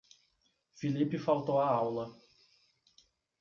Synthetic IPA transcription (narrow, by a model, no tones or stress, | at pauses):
filipɪfawt̪owɐawlɐ